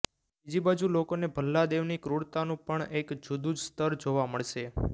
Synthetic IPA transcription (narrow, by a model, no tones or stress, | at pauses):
bid͡ʒibad͡ʒulokonebʱəlːad̪eʋnikɾuɽt̪anũpəɳekd͡ʒud̪ud͡ʒst̪əɾd͡ʒoʋaməɭʃe